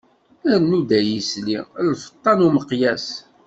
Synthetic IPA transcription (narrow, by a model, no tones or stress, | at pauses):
æɾnud̪æjislilfə̥t̪ˤːɑnuməqjæs